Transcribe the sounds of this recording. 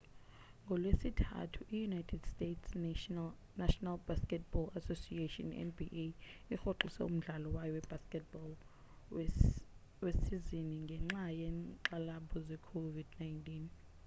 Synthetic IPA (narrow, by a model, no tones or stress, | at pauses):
ŋɡʱɔlwesitʰa̰tʰuʔijunajtʰɛd̥stetʰs | naʃɔnalbaskʼɛt̚b̥ɔlasosiatɔ̰nɛ̰nbiʔeixoǁisɛ̰um̩ɮalɔwajɔwɛb̥ʱaskɛt̚bɔl | wesiziniŋɡʱɛŋ͡ǁajɛǃalabʰɔzɛkʰovidnajntʼin